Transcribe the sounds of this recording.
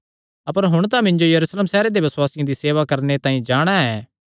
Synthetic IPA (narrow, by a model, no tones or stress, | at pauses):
ɐpəɾɦʊɽ̃t̪̬ãmɪ̃ɲd͡ʒojɐɾuːsleːmsɛːɾed̪ebɐswaːsɪjãd̪iseːʋakɐɾnet̪ãːĩd͡ʒaːɽ̃aɛː